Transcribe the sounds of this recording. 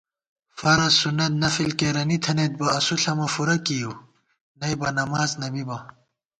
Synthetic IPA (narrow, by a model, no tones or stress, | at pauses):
fɐɾɐsunːɐt̪̚nɐfilkeɾɐnit̪ʰɐnet̪̚bɐɐsuɬɐmɐfuɾɐkiju | nɐjbɐnɐmaːznɐbibɐ